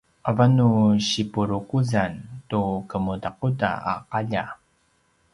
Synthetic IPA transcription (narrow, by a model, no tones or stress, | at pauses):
ʔavanuɕipuɾukuzantukəmudaquda̰a̰qaʎa